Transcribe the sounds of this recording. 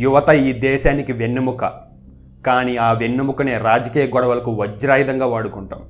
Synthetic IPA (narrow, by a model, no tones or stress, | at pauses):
juʋɐt̪ɐiːd̪ɛːʃaːnikiʋenːumukɐ | kaːniaːʋenːumukɐneːɾaːd͡ʒɐkiːjɐɡɔɽɐʋɐlɐkuʋɐd͡ʒːɾaːjid̪ɐŋɡaːʋaːɽukuɳʈɐm